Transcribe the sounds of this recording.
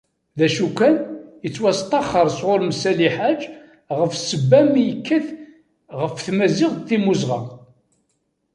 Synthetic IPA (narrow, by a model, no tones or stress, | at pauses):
ðæʃukːænjət͡sːwæst̪ˤɑχːəɾˤsʁʊɾmsæliħad͡ʒ | ʁəfsəbːæmijəkːəθ | ʁəfθmæzɪʁθimuzʁɑ̰